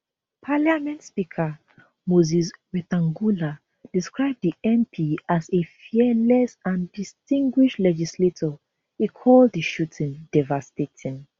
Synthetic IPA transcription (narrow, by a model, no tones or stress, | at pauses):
pʰaljamɛ̃ntspikʰa | mozis̬wɛtãŋɡula | d̥iskɹaɪb̚diʔɛ̃mpʰiazefiɛlɛsãndistĩŋɡwiʃlɛd͡ʒisletʰɔ | ikʰɔldðiʃutʰĩndɛvastetʰĩn